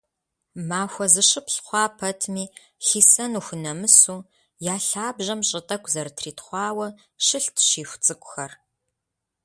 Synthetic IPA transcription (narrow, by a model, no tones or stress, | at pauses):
maːxʷɐzɨʃɨpɬχʷɑːpʰɐtʰmiː | ɬiːsɐnuːxʷʊnɐmɨsuː | jaːɬaːbʑɐmɕʼɪtʼɐkʷʼzɐrtʰriːtχʷɑːwɐ | ʃɨɬtʰʃiːxʷt͡sʼɨkʷʼʊxɐr